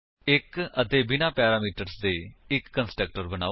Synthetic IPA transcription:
ɪkət̪eːbɪnaːpɛːɾaːmiːʈəɾsd̪eːɪkːənsʈək̚ʈəɾbəna̰ː

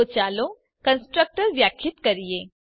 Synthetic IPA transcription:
ot͡ɕaːlo | kənsʈɾək̚ʈəɾʋjakʰːɪt̪kəɾije

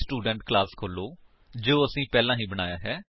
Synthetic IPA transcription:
sʈuːɖəɳʈklaːskʰoːloː | d͡ʒoːəsĩːpɛːlãːɦĩːbəɽ̃aːjaːɦɛː

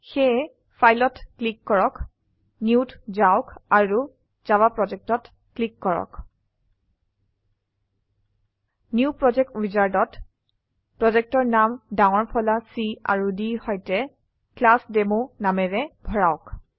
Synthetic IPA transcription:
xɛ | pʰajlɔtklikːɔɹɔk | nuwtzaʊkaɹu | z̥abapɹɔzɛk̚tɔt | klikːɔɹɔ̰k | njuupɹɔd͡ʒɛk̚twizaɹdɔt | pɹɔzɛk̚tɔɹnamdawɔɹpʰɔlasia̰ɹudihɔjtɛ | klasdemonamɛɹɛbʱɔɹaʊk

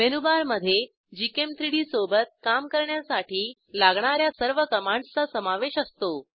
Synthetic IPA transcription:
menubaɾməd̪ʱːje | d͡ʑikemt̪ɾiɽiːsobət̪̚kamkəɾɳjasaʈiː | laɡɳ̃aɾjasəɾʋəkəmaɳɖt͡sasəmaʋeɕəst̪o

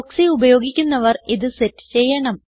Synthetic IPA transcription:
oksiubɐjo̞ːɡikʲːunːɐʋɐriðɨsetːɨ̥t͡ɕejːɐɳɐm

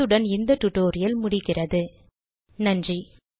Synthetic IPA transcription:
ɯɽɐnɪnd̪ɐʈːʊʈoːɾɪjɐlmʊɽɪɣɪrɐðɯ | nɐndri

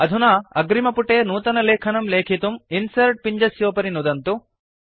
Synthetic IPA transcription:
ɐd̪ʱunaɐ̰ɡɾimɐpuʈeːnuːt̪ɐnɐleːkʰɐnɐmleːkʰit̪uminsɐɾʈ̚piɲd͡ʒɐsjoːpɐɾinud̪ɐnt̪u

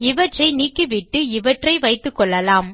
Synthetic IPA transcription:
ɪʋɐʈrɐɪniːkːɯʋɪʈːɯɪʋɐʈrɐɪʋɐɪt̪ːɯkːɔɭːɐlaːm

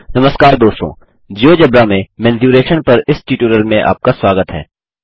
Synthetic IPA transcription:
nɐməskaːɾd̪oːst̪õ̰ː | d͡ʒoːd͡ʒɐbɾaːmẽmɛ̃ːnzjuːɾeːʃənpɐɾɪsʈiːʈuːɾəlmẽʔa̰ːp̚kaswaːɡət̪ɦɛ̰ː

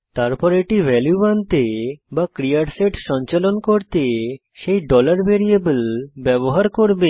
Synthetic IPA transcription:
t̪aɾpɔɾeʈibɛljubant̪ebakɾiaʈseʈʃɔɲt͡ɕalonkoɾt̪e | ʃejɖɔlaɾbeɾiebəlbɛboɦaɾkoɾbe

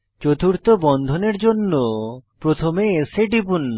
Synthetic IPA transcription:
t͡ɕot̪uɾt̪obɔnd̪ʱoneɾd͡ʑonːopɾot̪ʰomeseɖibun

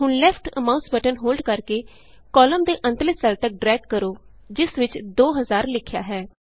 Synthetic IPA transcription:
ɦʊnlɛpʰʈə̰mãːʊ̃nsbəʈənɦoːlɖkəɾkeː | kɔːləmd̪eːʔə̃nt̪əlɪssəlt̪ək̚ɖɾɛːkkəɾoː | d͡ʒɪsʋɪt͡ʃd̪oːɦəzaːɾlɪkʰːɪja̰ːɦɛː

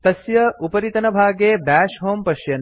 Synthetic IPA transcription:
t̪ɐsjɐupɐɾit̪ɐnɐbʱaːɡeːbæːʂɦoːmpɐʃjɐn

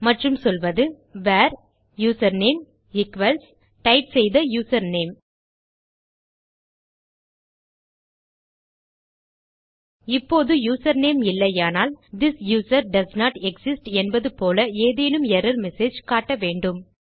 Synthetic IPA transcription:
mɐʈrɯmsɔlʋɐðɯ | ʋaːɾ | juːsɐɾneːm | ɪkʋɐls | ʈɐɪʈsɛjðɐjuːsɐɾneːm | ɪpːoːðɯjuːsɐɾneːmɪlːɐɪaːnaːld̪ɪsjuːsɐɾɖɐsnaːʈɛksɪsʈɛnbɐðɯpoːlɐeːðeːnɯmɛɾɐɾmɛseːd͡ʒkaːʈːɐʋeːɳɖɯm

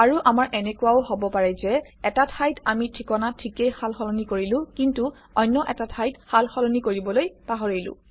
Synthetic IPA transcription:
aɹuʔamaɹʔɛnɛkʊaohobɔpaɹɛzɛ | ɛtatʰajtamitʰikɔnatʰikejxalxɔlɔnikoɹilʊ̃kintu | ɔjnːɔʔɛtatʰajthalxɔlɔnikoɹibɔlojpaɦɔɹilʊ̰̃

